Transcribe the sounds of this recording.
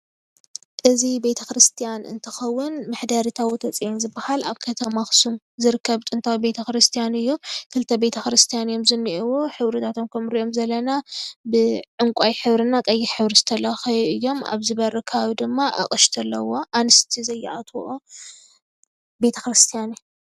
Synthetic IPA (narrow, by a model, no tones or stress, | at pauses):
ʔɨzibe̞t̪ʰɐkɾɨst̪ʰijanɨ̰nt̪ʰɨ̥xɐwːʊnmɨħd̪aɾit̪ʰawit̪ʰɐt͡sʼiʔinzɨbːɐhalaβkʰɐt̪ʰɐmaxsum | zɨɾɨkʰːɐβt̪ʼɨnt̪ʰawibe̞t̪ʰɐkɾɨst̪ʰijanɨjːukʰɨlt̪ʰɐbe̞t̪ʰɐxɾɨst̪ʰijanjo̞mzɨnːiʔɨwuħɨβɾɨt̪ʰat̪ʰo̞mkʰɐmɾiʔo̞mzɐlɐnabɨʕʊŋkʷʼajħɨβɾɨnakʼɐjːiħɨβɾizɨt̪ʰɐlɐxɐjʔɨjːo̞ma̰βzɨβɐɾɨkʰɐβaβid̪ɨmːaʔa̰χʼɨʃt̪ʰɐlːɐwo̞ʔanɨst̪ʰizɐjːa̰ʔat̪ʰʔo | be̞t̪ʰɐkɾɨst̪ʰijan